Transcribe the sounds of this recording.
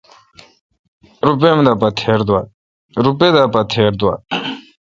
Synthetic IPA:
ɾupɛmd̪apat̪ʰɛːɾd̪wa | ɾupɛd̪apat̪ʰɛɾd̪wa̰

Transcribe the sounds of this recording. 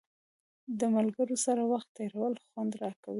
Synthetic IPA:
d̪əmalɡəɾosaɾawaxt̪ːeɾawəlxwand̪ɾɑka̰wi

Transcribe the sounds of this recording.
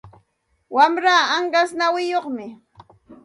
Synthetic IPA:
wamɾaːaŋɢasnawɪjoχmɪ

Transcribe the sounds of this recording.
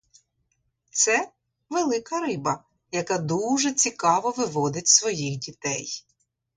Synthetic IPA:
t̪sɛ | ʋelˠɪkɐɾɪbɐ | jɐkad̪uʒɛt͡sʲikɑʋɔʋɪʋɔd̪ɪtʲsʋɔjixdʲit̪ɛj

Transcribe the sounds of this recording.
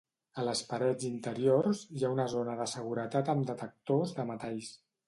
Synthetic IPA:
ələspəɾɛd͡zint̪əɾiorziaunəzonəðəsəɣ̞uɾət̪at̪əmd̪ət̪ək̚t̪ozðəmət̪ɛʎs

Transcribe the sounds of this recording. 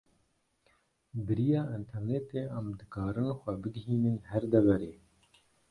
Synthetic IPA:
bɨɾijɑːʔint̪ʰɛɾnet̪eːɛmd̪ɨkaːɾɨnxʷɛbɨɡɦiːnɨnhɛɾd̪ɛvɛɾeː

